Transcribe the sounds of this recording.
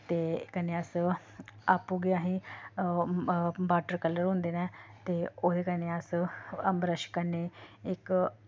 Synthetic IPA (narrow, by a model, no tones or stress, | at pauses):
t̪eːkəneːəs | aːpuːɡeːaːɦĩː | baːʈəɾkələɾɦʊ̃nd̪eːnɛ̃ːt̪eːoːd̪eːkəneːəsəmbɾəʃkəneːɪk